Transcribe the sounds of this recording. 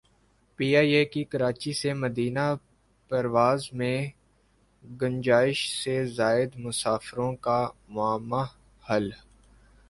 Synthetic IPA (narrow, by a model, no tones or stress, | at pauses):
piːaːieːkikɐɾaːt͡ʃisemɐd̪iːna | pɐɾʋwaːzmẽ | ɡɐ̃ɲd͡ʒaːɪʃsezaːɪd̪mʊsaːfɾõkamʊaːmːa | hɐl